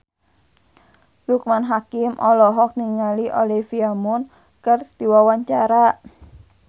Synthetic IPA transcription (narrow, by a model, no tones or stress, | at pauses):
lukmanɦakɪmʔɔlɔɦɔk̚niŋaliʔolifiamɔn | kərd̪̥iwawaɲt͡ʃaɾaʔ